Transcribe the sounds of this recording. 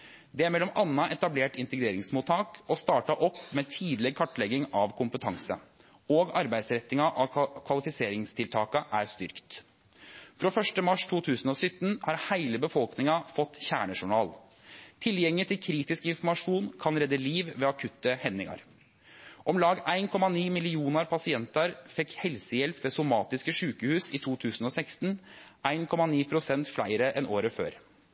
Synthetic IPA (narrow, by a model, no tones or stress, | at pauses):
d̪ɛæɾmɛlːɔmʔɑnːɑʔɛt̪ɑbleːʈɪnt̪əɡɾeːɾɪŋsmuːt̪ʰɑːkɔst̪ɑːʈɑʔɔpːmeːt̪ʰiːd̪lɪkʰɑʈːlɛɡɪŋɑʋkʰʊmpət̪ʰɑŋsə̰ | oːɡɑɾbæɪd̪sɾɛt̪ːɪŋɑʔɑkʰʋɑlɪfɪseːɾɪŋst̪ʰɪlt̪ʰɑːkəʔæɾst̪ʏ̰ɾkt̪ | fɾoːfœʂʈəmɑʂt̪ʰuːt̪ʰʉːsənɔːsʏt̪ːn̩hɑɾhæɪləbəfɔlknɪŋɑfɔt̪ːçæ̰ːɳəʂʊɳɑ̰ːl | t̪ʰɪljɛŋːɪt̪ʰɪlkʰɾiːt̪ɪskəɪnfmɑʂuːnkʰɑnɾɛd̪ːəliːʋʋeːɑkʰʉt̪ːəhɛnːɪ̰ŋɑ̰ɾ | ʔɔmlɑːɡæɪnkʰɔmɑniːmɪlɪuːnəɾpʰɑsɪɛnt̪ɑɾfɛkhɛlsəjɛlpʋeːsʊmɑːt̪ɪskəʂʉːkəhʉːsɪt̪ʰuːt̪ʰʉːsn̩ɔsækst̪n̩ʔæɪnkʰɔmɑniːpʰɾʊsɛnt̪flæ̰ɪɾəʔɛnʔoːɾəfø̰ːɾ